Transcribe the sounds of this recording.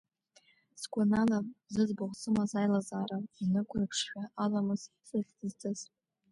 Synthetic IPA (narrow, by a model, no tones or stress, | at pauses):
sɡʷananazɨzbʊʁʷsʼɨmazajlazaːɾainɨkʷʼʊrɨpʰʂχʲᶣaʔalamɨz̥ | sɨɬzt͡sʼɨz̥